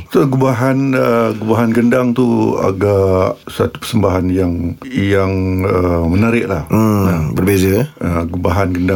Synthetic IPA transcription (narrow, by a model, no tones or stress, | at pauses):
t̪əɡubaɦanəɡubaɦanɡəndaŋt̪ua̰ɡaʔsat̪u̥pə̥rsəmbaɦanjaŋjaŋəmənaɾɪʔlah̩nəbərbezəəɡubaɦanɡənda